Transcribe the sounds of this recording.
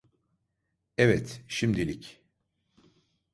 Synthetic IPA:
ɛvɛt̪ʃimd̪ilʲic

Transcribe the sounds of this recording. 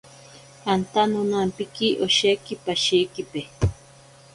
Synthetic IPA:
ant̪anʊnampɪkiʔoʃejkɪpaʃijkɪpe

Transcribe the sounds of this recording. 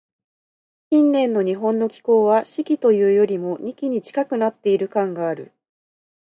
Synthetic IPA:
kʲĩnːẽ̞nːo̞ɲ̟iɦõ̞nːo̞kʲi̥ko̞ːβaɕikʲit̪o̞jɯ̟ːjo̞ɾʲimo̞ɲ̟ikʲiɲ̟it͡ɕi̥kakɯ̟nat̪ːe̞iɾɯ̟kãŋɡaːɾɯ̟̰

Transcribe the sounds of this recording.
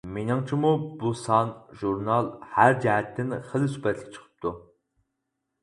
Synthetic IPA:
menɨŋt͡ʃʰimubusɑnʒuɾnɑlˠhæɾd͡ʒɛɦɛt̪ʰːɪnχəlˠɨsypɛt̪ʰlʲɪkʲt͡ʃʰə̥qʰə̥p̚t̪ʰu

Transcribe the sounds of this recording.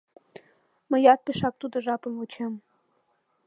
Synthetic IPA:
mə̆jɑt̪̚peʃɑk̚t̪ud̪ŏʒɑpə̆nut͡ɕem

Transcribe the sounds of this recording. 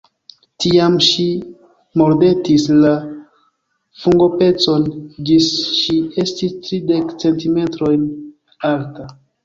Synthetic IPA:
tiamʃi | mo̞ɾde̞tisla | fuŋɡo̞pe̞t͡so̞nd͡ʒisʃiestistɾide̞kt͡se̞ntime̞tɾo̞jn | alta

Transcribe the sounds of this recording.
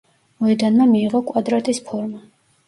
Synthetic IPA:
mɔɛd̪anmamiːʁɔkʼwad̪ɾat̪ʼispʰɔɾma

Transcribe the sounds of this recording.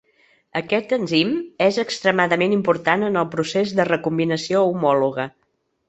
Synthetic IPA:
əkɛt̪ənzimezəkst̪ɾəmaðəmenimpuɾt̪anənəlˠpɾusezðərəkumbinəsioumɔluɣə

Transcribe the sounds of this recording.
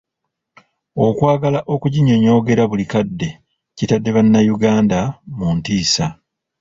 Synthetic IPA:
o̞kwaːɡalaʔo̞kuɟiɲo̞ɲo̞ːɡe̞ɾaβulikadːe̞ | citadːe̞βanːajuɡaːndamuntiːsa

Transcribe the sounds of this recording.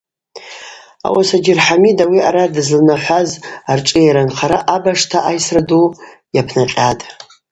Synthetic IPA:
a̰wasad͡ʒɪrħamidawiaɾadɨzlnaħʷazarʈ͡ʂʼɨjaɾanχʰaɾaʔabaʂtʰaʔajsradu | japʰnat͡ɬʼatʼ

